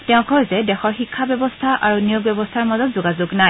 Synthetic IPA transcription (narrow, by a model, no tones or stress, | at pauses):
tɛʊ̃kɔzɛdɛxɔɹxikʰːabɛbɔstʰaʔʔaɹunijoɡ̚bɛbɔstʰaɹmazɔtzoɡazuɡnaj